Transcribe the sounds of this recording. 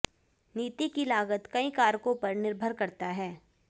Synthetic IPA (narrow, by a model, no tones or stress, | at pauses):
niːt̪ikilaːɡət̪kɐĩkaːɾkõpɐɾnɪɾbʱəɾkɐɾt̪aɦɛː